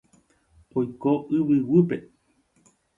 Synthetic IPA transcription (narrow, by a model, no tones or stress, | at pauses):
ojkoʔɨβɨwɨpe